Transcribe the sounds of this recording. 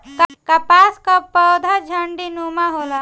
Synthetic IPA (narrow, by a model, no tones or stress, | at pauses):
kakapaskapəwd̪ʱad͡ʒʱəɳɖinumaɦola